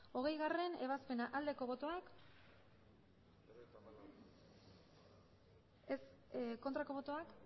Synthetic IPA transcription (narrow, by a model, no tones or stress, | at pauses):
o̞ɣ̞e̞jɣare̞ne̞βaspe̞naʔald̪e̞ko̞βo̞t̪o̞ak | es | ko̞nt̪ɾako̞βo̞t̪o̞ak